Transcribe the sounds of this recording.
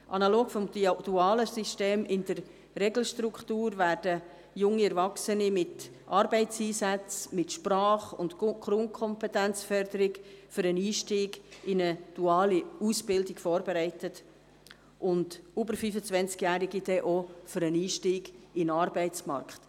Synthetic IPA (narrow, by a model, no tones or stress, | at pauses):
ʔɑnɑloːɡ̥fɔmdd̥uɑːləsiʃteːmʔɪnd̥ərː | ɛɡl̩ʃtɾuktuːɾvæːrd̥ə | jʊŋːiɛɾvɑksənimɪt | ʔɑɾbɛɪtt͡siːsæt͡smɪtʃprɑːχʊ̰ntkɾʊnkʰɔmpɛtænt͡sfœrd̥̪əɾɪɡfʏɾəniːʃtiːɡɪnəd̥uɑːliusb̥ɪldɪɡfɔːɾbɛɾɛɪtət | ʔʊndubəɾfyfət͡svɛnt͡skjæːɾiɡid̥ɛʔofʏɾəniːʃtiːɡɪnɑɾbɛɪt͡smɑ̰ɾkχt